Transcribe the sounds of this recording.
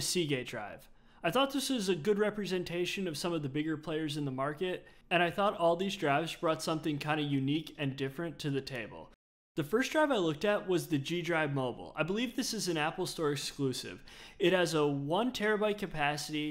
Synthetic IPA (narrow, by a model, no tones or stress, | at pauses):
ɨsiɡeɪdɹa̰ɪv̥ | aɪθɔt̪̚ðɪsɨzɨɡʊd̚ɹɛpɹɨzɛ̃ntʰeɪʃɨ̃nʌv̥sʌ̃mʌvðɨbɪɡə˞pʰl̥eɪə˞zɨ̃nðəmɑɹkɨt | ɨ̃ɾ̃aɪθɔɾɔlˠðizdɹaɪvzbɹɔtsʌ̃mθɪ̃ŋkʰãɪ̃ndɨjʉnikɨ̃ndɪfɹɨ̃ntʰɨðɨtʰeɪbl̩ˠ | ðɨfɜ˞sd̥ɹaɪvaɪlʊk̚tɨt̚wʌzðɨd͡ʒidɹaɪvmoʊbl̩ˠa̰ɪbəlivðɪsɨzɨ̃næpl̩ˠstɔɹɨksklʉsɪ̰vɨt̚hɨzəwʌ̃ntʰɛɹɨbaɪkʰɨpʰæsɨɾi